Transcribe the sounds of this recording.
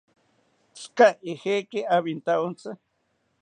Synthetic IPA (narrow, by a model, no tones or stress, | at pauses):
t͡skaexekeʔaβint̪aont͡sa